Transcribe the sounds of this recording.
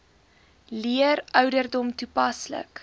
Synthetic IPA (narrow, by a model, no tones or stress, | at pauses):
liəɾœwdərdɔmtupɐslə̰k